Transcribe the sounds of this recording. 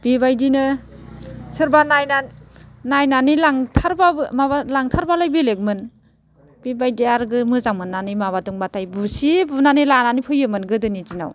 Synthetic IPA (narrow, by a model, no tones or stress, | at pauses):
b̥ibajdinɯ | sɯɾbanajnanajnanilaŋtʰaɾbaɯmabalaŋtʰaɾbalajbilek̚mɯn | b̥ibajdiaɾɡɯmɯzaŋmɯnːanimaβatuŋbatʰajbusibunanilananipʰɯjɯmɯnɡɯdɯnizina̰w